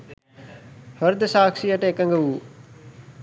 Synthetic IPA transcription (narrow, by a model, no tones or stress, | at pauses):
həɾd̪əsaːkʂijəʈəekɐŋɡəʋuː